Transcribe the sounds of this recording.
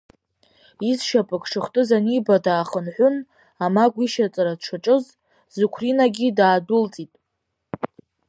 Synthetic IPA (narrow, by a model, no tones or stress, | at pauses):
izʃapʼɨkʰʼʂɨχtʼɨzanibadaːχənħʷʊn | amaɡʷiʃat͡sʼaɾadʈ͡ʂʷʰaʈ͡ʂʼɨz | zukʷʰrinaɡʲidaːdult͡sʼitʼ